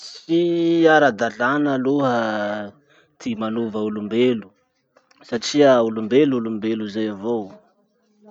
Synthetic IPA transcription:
siaɾad̪aɮanəluɦə | t̪ʰimanuvəulumbelu | saʈ͡ʂiəulumbelulumbeluzajavo

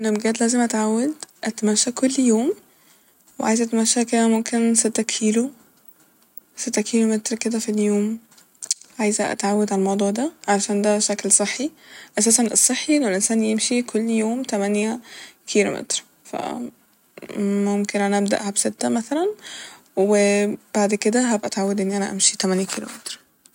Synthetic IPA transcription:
ʔenːæmɡæːt̪læːzemʔæt̪ʕawːæd̪ʔæt̪mæʃːækolːjoːm | wḛʕa̰jzʔæt̪mæʃːæked̪æmomkʰenset̪ːækʰiːlo | set̪ːækʰiːlomet̪ɾked̪æfiljoːm | ʕajzʔæ̰t̪ʕawːæd̪ʕalmɑwd̪ˤuːʕd̪æʕalæʃæːnd̪æʃæklsˤeħːiʔæsæːsænʔesˤːeħːiʔlæwelʔensæːnjemʃikʰolːjoːmt̪æmænjækʰiːlo̰mḛt̪ɾ | fæ̰ | momkenʔænæʔæb̚d̪æ̰ʔhæbset̪ːæmæθælæn | web̥aʕd̪ked̪æɦæbʔæt̪ʕawːæd̪ʔenːiʔænæ̰ʔæ̰mʃit̪æmænjækiːlo̰met̪ɾ

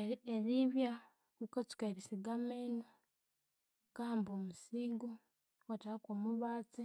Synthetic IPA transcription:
eɾiβja | kukot͡si̥kaβisiɡameno | kaːmboːmusiɡo | otakoːmuβaːt͡si

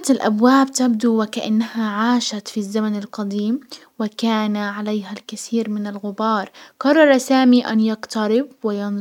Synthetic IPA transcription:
t̪alʔa̰bwaːbt̪ab̚d̪uwɪkaʔa̰nːahaʕaːʃat̪fizːamanɪlqɑd̪iːm | wɪkaːnaʕalejɦalkaθiːɾmɪnɪlɣʊbɑːɾˤqɑrˤːɑɾˤɑsaːmiʔa̰njɑqt̪aɾɪbwɪjɑn

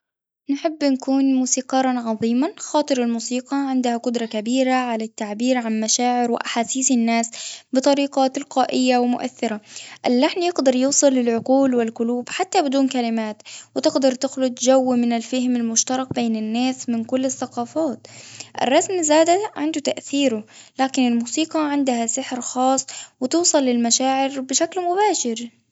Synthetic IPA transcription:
nħɪbːnkuːnmuːsiːqɑɾˤːɑnʕɑðˤiːmaxɑːt̪ˤɨɾalmuːsiːqɑʕɪnd̪hakʊd̪ɾˤɑkabiːɾaʕalat̪ːaʕbiːɾʕanmaʃaːʕɪɾwɪ̰ʔaħaːsiːsɪnːaːsbɨt̪ˤɑɾiːqɑt̪ɪlqaːʔɪjːawɪmʊʔa̰θːɪɾaʔɪlːaħnjɪɡd̪ɑɾˤjuːsˤɨlːɪlʕʊquːlwɪlqʊluːbħat̪ːabɪd̪uːnkalɪmaːt̪wɪt̪ɪɡd̪ɑɾˤt̪ɪxlʊd̪ʒawːmɪnɪlfahmalmʊʃt̪ɑɾˤɑq̚beːnɪnːaːsmɪnkʊlːɪθːaqɑːfaːt̪ʔɪ̰rˤːɑsmzaːd̪aʕɪnd̪ʊt̪aʔθiːɾʊ | laːkɪnɪlmuːsiːqɑʕɪnd̪ahasɪħɾxɑːsˤːwɪt̪uːsˤɑlːɪlmaʃaːʕɪɾbɪʃaklmʊbaːʃɪɾ

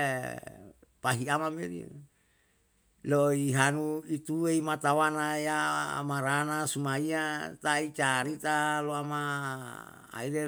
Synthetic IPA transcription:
paɦiamameɾḭ | loiɦanuit̪ueimat̪awanaja̰maɾanasumaiat̪ait͡ʃaɾit̪aloama | a̰ile

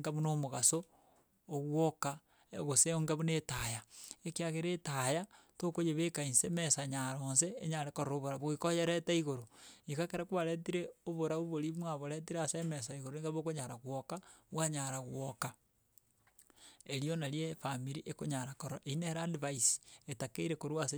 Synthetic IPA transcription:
ŋɡaβunomoɣasoː | ɣwoka | ɣoseoŋɡaβunetajaekiaɣeɾetajatokojeβekainsemesaɲaɾonseːɲaɾekoɾooβoɾaβoikojeɾetaiɣoɾoikakeɾakwβaɾet̬iɾeoβoɾaβoβoɾimwaβoɾet̬iɾeasemesaiɣoɾoeŋɡaβokoɲaɾaɣwokawaɲaɾaɣwoka | eɾionaɾjefamiɾiʔekoɲaɾakoɾoʔeineɾadiβaisetakeiɾekoɾwase

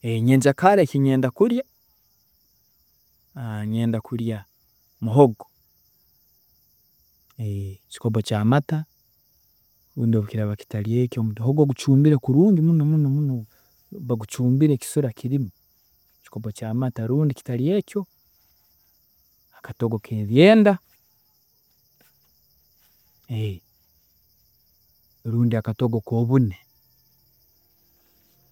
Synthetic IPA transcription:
eɲeːɲd͡ʒakaɾekiɲeːndakuɾja | ɲeːndakuɾja | muɦoɡo | eci̥kopocaːmata | ɾuːndioβukiɾaβaki̥taɾiecomutoɦoɡoɡut͡ʃuːmbiɾekuɾuːɲɟimunomunomuno | βaɡut͡ʃuːmbiɾeci̥soɾakiɾimo | ci̥kopocaːmataɾuːndiki̥talije̞ːco̞ | akatoɡo̞kʰeβjeːnda | e | ɾuːndiakatoɡoko̞βune

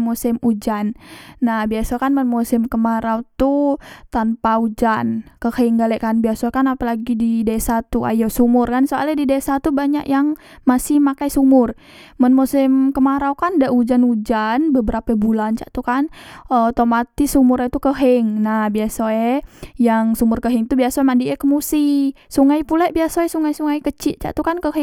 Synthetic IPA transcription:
musɪmud͡ʒanːahbiasakanmənmusɪmkəmaɾaut̪ut̪anpaud͡ʒankəhɛŋɡalɛʔkanbiasokanapalaɡididesat̪ua̰josumʊrkansoa̰lɛdidesat̪ubaɲaʔjaŋ | masɪhmakajsumʊr | mənmusɪmkəmaɾaukandaʔud͡ʒanud͡ʒanbəbəɾapɛbulant͡ʃa̰ʔt̪ukanət̪omat̪isumʊɾɛt̪ukəɦɪŋnahbiasoɛjaŋsumʊrkəɦɪŋt̪ubiasoɛmandiʔɛkəmusisuŋajpulɛʔbiasoɛsuŋajsuŋajkət͡ʃɪʔ̚t͡ʃa̰ʔt̪ukankəɦɪ

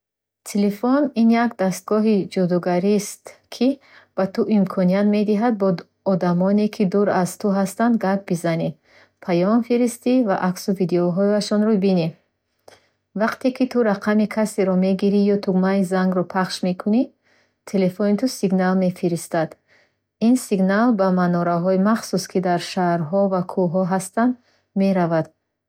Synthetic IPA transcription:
t̪ʰelefɔninjakd̪ast̪̚ɡɔɦid͡ʒɔd̪ɔɡaɾist̪kʰi | b̥at̪ʰuʔimkʰɔniat̪me̞d̪iɦad̪̚bɔ | ɔd̪amɔnekʰid̪uɾazt̪ʰuɦast̪and̪ɡak̚bizani | pʰajɔmfiɾist̪ivaʔaksuvid̪eɔɦɔaʃɔnɾɔbini | vaqt̪ekʰit̪ʰuɾaqʰamikʰaseɾɔme̞ɡiɾijɔt̪ʰuɡmaizaŋɡɾɔpʰaχʃme̞kʰuni | t̪ʰele̞fonit̪ʰusiɡnalme̞fiɾist̪ad̪ | insiɡnalbamanɔɾaɦɔimaχsuskʰid̪aɾʃahɾɦɔvakʰuɦɔɦast̪and̪ | meɾavad̪̥

